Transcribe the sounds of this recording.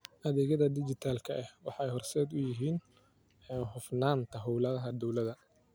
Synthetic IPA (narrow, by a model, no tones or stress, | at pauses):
ʔɐðɛːɣɐðɐd̪ɪt͡ʃɪt̪ʰaːlkʰɐʔɛhwɑħɑɛjhɔrsɛːd̪ʊjɪɦiːn | ɛːnhʊfnaːnt̪ʰɐɦɔwlɐðɐɦɐd̪ɔwlɐðɐ